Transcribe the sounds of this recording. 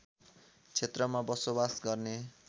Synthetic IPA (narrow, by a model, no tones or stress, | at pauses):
t͡sʰet̪rʌmabʌsobasɡʌrne